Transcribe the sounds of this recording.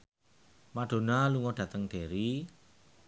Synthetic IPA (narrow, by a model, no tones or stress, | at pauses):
maɖ̥o̤naluŋɔɖ̥ä̤t̪əŋɖ̥e̤ɾi